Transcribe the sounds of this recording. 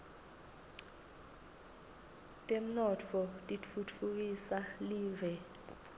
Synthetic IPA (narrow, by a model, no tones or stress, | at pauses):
tʼem̩nɔt͡fʰɔtʼit͡fʰut͡fʰuk̬isaliːvɛ